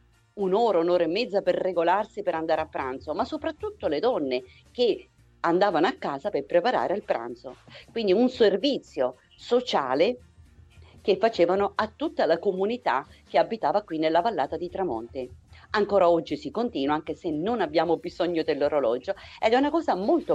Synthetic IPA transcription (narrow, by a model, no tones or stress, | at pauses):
unoːɾaunoːɾaemːɛd̪zːaperːeɡolarsipeɾand̪aːɾeapːɾant̪somasːopɾat̪ːut̪ːoled̪ɔnːe | ke | and̪aːvanoakːaːzaperpɾepaɾa̰ːɾealpɾa̰nt̪so̰kwind̪iunservit̪sːjo | sot͡ʃa̰ːle | kefːat͡ʃeːvanoat̪ːut̪ːalakomunit̪a̰k̟eabːit̪aːvakwinːelːavalːaːt̪ad̪it̪ɾamɔ̰nt̪iaŋkoːɾaɔd͡ʒːisikont̪iːnwaaŋk̟esenːonabːjaːmobizɔɲːod̪elːoɾolɔ̰d͡ʒoɛd̪ɛunakɔːzamolt̪o